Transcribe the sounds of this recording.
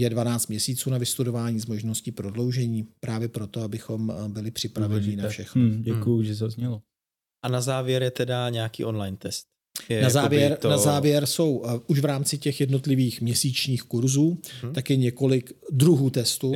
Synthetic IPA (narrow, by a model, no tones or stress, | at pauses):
jɛdvanaːt͡st̪̚mɲɛsiːt͡suːnavɪst̪udo̞vaːɲiːzmoʒno̞scɪpɾo̞dlo̞wʒɛɲiːpɾaːvjɛpɾo̞t̪o̞abɪxo̞mbɪlɪpr̝̥ɪpɾavɛɲinaffʃɛxnoɟɛkujʊʒɛzazɲɛlo | ʔanazaːvjɛɾjɛt̪ɛdaɲɛakḭːʔonlajnt̪ɛst̪̚ | jɛnazaːvjɛɾnazaːvjɛɾso̞wʔuʃvɾaːmt͡sɪcɛxjɛdno̞t̪lɪviːxmɲɛsiːt͡ʃɲiːxkuɾzuːt̪akjɛɲɛko̞lɪkdɾuɦuːt̪ɛst̪u